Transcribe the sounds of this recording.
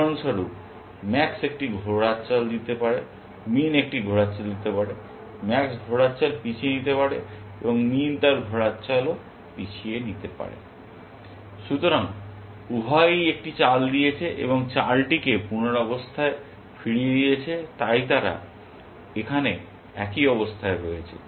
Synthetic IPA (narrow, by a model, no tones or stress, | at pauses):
onʃaɾup | mɛksek̚ʈiɡʱoɽat͡ɕald̪it̪epaɾe | minek̚ʈiɡʱoɽatt͡ɕald̪it̪epaɽe | mɛksɡʱoɽatːɕalpit͡ɕʰienit̪epaɽe | eboŋmint̪aɾɡʱoɽatːt͡ɕalo | pit͡ɕʰienit̪epa̰ɾḛ | ʃut̪oɾaŋ | ubʱajek̚ʈit͡ɕald̪ijet͡ɕʰeʔḛboŋt͡ɕalʈikepunoɾɔbost̪ʰae | fiɽied̪ijet͡ɕʰet̪ajt̪aɾa̰ | ekʰane | ɛ̰kiɔbost̪ʰaeɾojet͡ɕʰḛ